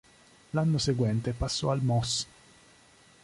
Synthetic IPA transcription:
lanːoseɡwɛnt̪epasːɔalmɔs

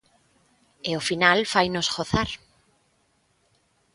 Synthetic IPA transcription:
eofinalfajnosɣoθaɾ

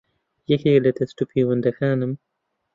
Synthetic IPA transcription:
jexeːlɐt̪ɐsʈupʰiːwɐnd̪ɐxaːnɐm

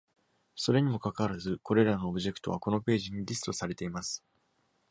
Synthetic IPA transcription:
so̞ɾe̞ɲ̟imo̞kakaβaɾazɨko̞ɾe̞ɾano̞ːbɯ̟ʑe̞kɯ̥t̪o̞βako̞no̞pe̞ːʑiɲ̟iɾʲisɨ̥t̪o̞saɾe̞t̪e̞imasɨ̥

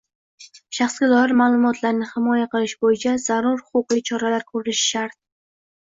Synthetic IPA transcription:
ʃaχsɡʲad̪ɒjɪɾmaːlˠʊmɒt̪ʰlaɾnɪhɪmɒjaqɨlˠɪʃbojɪt͡ʃʰazaɾuɾhʊ̥qʊqit͡ʃʰɒɾalaɾkʰɵɾɪnɪʃɪ̥ʃaɾt̪̚

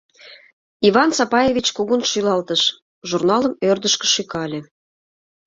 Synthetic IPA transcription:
iβɑnsɑpɑjevʲit͡ɕkuɣunʃylɑlt̪əʃ | ʒurnɑləmørd̪əʃkə̥̆ʃykɑlʲĕ

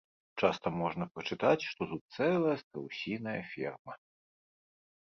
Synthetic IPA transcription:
t͡ʂast̪ɐmɔʐnɐpɾɐt͡ʂɨt̪at͡sʲʂt̪ɔt̪ut̪̚t̪sɛlˠɐjɐst̪ɾɐwsʲinɐjɐ̰fʲɛ̰rmɐ

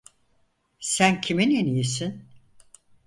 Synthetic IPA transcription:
sæncʰiminenijisin

